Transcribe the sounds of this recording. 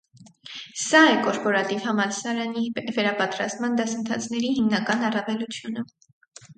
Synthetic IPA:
sɑɛkɔɾpɔɾɑt̪ivhɑmɑlsɑɾɑnivɛɾɑpɑt̪ɾɑst̪mɑnd̪ɑsənt̪ʰɑ̰t͡sʰnɛɾiɦimnɑkɑnɑrɑvɛlut͡sʰjunə

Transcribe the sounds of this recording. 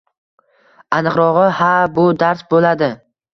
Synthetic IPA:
anɨqɾɒʁɨhabʊd̪aɾsbolad̪ɪ

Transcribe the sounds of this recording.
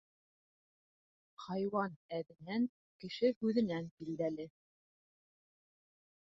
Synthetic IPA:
hɑjwɑnæðɘ̆næŋ | kɘ̆ʃɘhʉðɘ̆nænbild̪ælɘ

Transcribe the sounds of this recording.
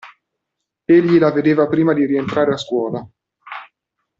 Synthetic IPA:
eʎːilaved̪eːvapɾiːmad̪iɾient̪ɾaːɾeaskwɔːla

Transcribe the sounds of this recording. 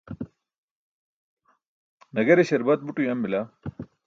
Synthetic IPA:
nɐɡɐɾeɕɐɾbɐt̪̚buʈujɐmbila

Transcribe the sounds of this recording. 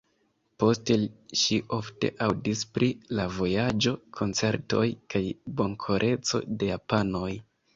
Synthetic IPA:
po̞ste̞ʃiʔo̞fte̞̰ʔawdispɾilavo̞jad͡ʒo̞kʰo̞nt͡se̞ɾto̞jkajbo̞ŋkʰo̞ɾʔe̞t͡so̞̰de̞japano̞j

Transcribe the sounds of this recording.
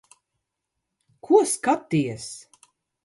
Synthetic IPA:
kʰuɔskat̪ːijɛs

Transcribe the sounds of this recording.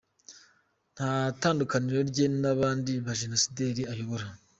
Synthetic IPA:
n̥hataːndukaniɾo̞ɾɟe̞naβaːndiβaʒe̞no̞side̞ːɾiajo̞βo̞ɾa

